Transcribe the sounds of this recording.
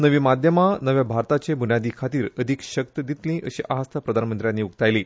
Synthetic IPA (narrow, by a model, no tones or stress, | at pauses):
nəʋiːmad̪ʱjəmanəʋjabʱaɾt̪at͡ɕebʱunjad̪iːkʰat̪iːɾəd̪ʱikɕək̚t̪d̪it̪lĩʔəɕḭːʔast̪ʰəpɾəd̪ʱanmənt̪ɾjanːiːukt̪ajliː